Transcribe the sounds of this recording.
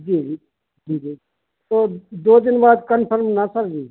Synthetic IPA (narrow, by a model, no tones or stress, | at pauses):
d͡ʒiːd͡ʒi | d͡ʒiːd͡ʒiː | t̪oːd̪oːd̪ɪnbaːd̪kənpʰəɾmnasəɾɡiː